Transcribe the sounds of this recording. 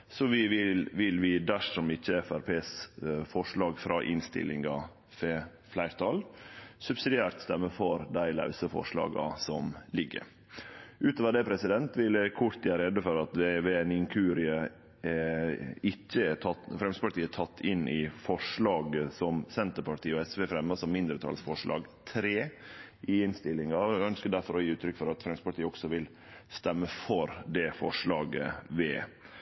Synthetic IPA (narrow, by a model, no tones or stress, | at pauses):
sɔʋɪʋɪlʋɪlʋɪd̪æʂɔmɪçːəɛfæɾpʰeːsfɔʂɭɑːɡfɾɑːʔɪnst̪ɪ̰lːɪ̰ŋɡɑ | feː | flæɪɾt̪ʰɑlsʉbsɪd̪ɪæːɾt̪st̪ɛmːəfɔɾd̪æɪlɑ̰ʉsəfɔ̰ʂɭɑ̰ːɡɑ̰sɔmlɪɡːə̰ɾ | ʔʉːt̪oːʋəɖ̪ɛːpʰɾɛsɪd̪ɛnt̪ʋɪlɛkʰʊɾt̪ɪæɾɛd̪əfɔɾɑt̪ʋeʋeːɛnɪŋkʰʉːɾɪə | ɪçːəæʈʰɑt̪fɾɛmst̪əpɑʈiːəæʈ̪ʰɑt̪ːɪnːɪfɔʂɭɑːɡəsɔmsɛnt̪əpɑʈʰiːəɔɛsʋeːfɾɛmːɑsɔmːɪnd̪ɾət̪ʰɑ̰ːlsfɔʂɭʔɑ̰ːɡt̪ʰɾeːʔɪɪnst̪ɪlːɪŋɑœnskəd̪æɾfɔɾɔjiːʉːt̪ʰɾʏkːfɔɾɑt̪fɾɛmsəpɑʈʰiːəɔɡsɔʋɪl | st̪ɛmːəfɔɾd̪ɛfɔ̰ʂɭɑːɡə̰ʋɛː